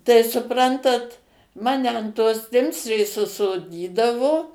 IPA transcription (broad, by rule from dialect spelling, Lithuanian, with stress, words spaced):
tɐɪ sʊˈprɐntɐt ˈmɑːnʲɛ ɐn toːs ˈtʲɪmʲsʲrʲeːs ʊʃsoːˈdʲiːdɐʋoː